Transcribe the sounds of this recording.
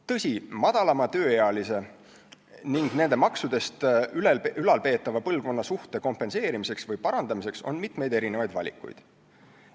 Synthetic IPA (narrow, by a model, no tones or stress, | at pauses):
t̪ɤ̞sʲimɑd̪̥ɑlɑmɑt̪ø̞ːjeɑlise̞ | niŋɡ̥ne̞nd̪e̞mɑksud̪̥e̞st̪ylylɑlpe̞ːt̪ːˑɑvɑpɤlɡo̞nːɑsuht̪e̞ko̞mpˑe̞nse̞ːɾimise̞ksvɤjpɑɾɑnd̪ɑmise̞kso̞̰nmit̪me̞jd̪e̞ɾine̞vɑjd̪vɑ̰lʲḭkːˑṵjd̪̥